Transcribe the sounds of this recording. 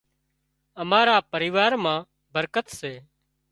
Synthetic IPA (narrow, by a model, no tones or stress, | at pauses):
əmaːɾaːpəɾiːʋaːɾmãː | bəɾkət̪seː